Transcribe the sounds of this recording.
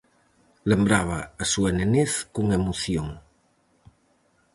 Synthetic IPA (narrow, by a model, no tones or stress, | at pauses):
lembɾaβ̞aːsueneneθkuŋemoθjoŋ